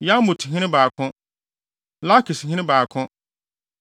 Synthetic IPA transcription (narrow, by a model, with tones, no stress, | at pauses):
ja˦m˦mʊ˨tʰɪ˨ɦɪ̃˦nɪ̃˦baː˨kʰʊ̃˦ | la˦kʰi˨sɦɪ̃˦nɪ̃˦baː˨kʰʊ̃˦